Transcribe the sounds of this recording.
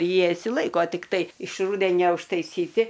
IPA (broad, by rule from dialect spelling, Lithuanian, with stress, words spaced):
ˈjiɛ ɪʃʲsʲɪˈlˠɐɪkoː tʲɪkˈtɐɪ ɪʃ ˈruːdʲɛnʲɛ ʊʃtɐɪˈsʲiːtʲɪ